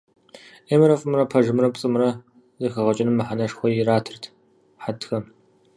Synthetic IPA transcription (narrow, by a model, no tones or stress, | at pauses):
eːmɨɾɐfʼɨmrɐpʰɐʒɨmrɐpt͡sʼɨmɾɐ | zɐxɐʁɐt͡ʃʼɪnɨmːɨħanɐʂxʷɔjɪraːtʰɨrtʰ | ħatʰxɐm